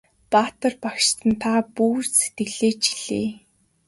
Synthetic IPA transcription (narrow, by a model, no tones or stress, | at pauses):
paːt̪ə̆rpakʃt̪ə̆nt̪ʰapuːrse̥t̪ɡɘ̆ɮeːt͡ɕi̥ɮ̥ḛː